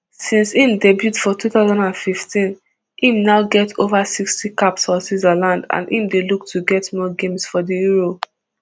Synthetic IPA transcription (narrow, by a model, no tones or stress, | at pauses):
sĩnsĩmdɛbjutfɔtuθaʊzãndãnfiftĩn | ĩmnaʊɡɛtʰovasikstikapsfɔsizalãndã̰nʔĩmdeluk̚tʰuɡɛtmɔɡẽmsfɔdijuɹo